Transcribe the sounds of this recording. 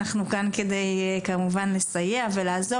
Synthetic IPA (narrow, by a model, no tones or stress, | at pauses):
aχnukanke̞d̪ejkamuvanlesajeavelaːzo